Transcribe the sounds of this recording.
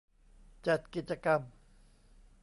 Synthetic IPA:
t͡ɕa˨˩t̪̚ki˨t̪̚t͡ɕa˧ka˧m

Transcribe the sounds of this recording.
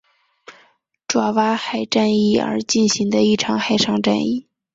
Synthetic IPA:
ʈ͡ʂwa˧˩wa˥xa˨˩ɪʈ͡ʂa˥˧ni˥˩ə̰˞˧˥t͡ɕi˥˩nɕi˧˥ŋd̪ə˧i˥˩ʈ͡ʂʰɑ˨˧˥ŋxa˥˩ɪʂʰɑ˥˧ŋʈ͡ʂa̰˥˧ni˥˩

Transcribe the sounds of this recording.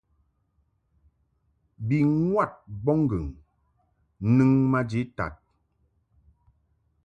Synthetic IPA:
bi˨ŋwa˦˨t̚bɔ˦ŋ˦ɡə˨ŋ˦ | nɨ˦ŋma˦d͡ʒi˨˦ta̰˨t̚

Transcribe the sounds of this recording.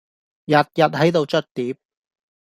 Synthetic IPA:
jɐ˨t̚jɐ˨t̚ɦɐ˨˥jt̪o˨˧wt͡ʃɵ˥t̚t̪iː˨˥p̚

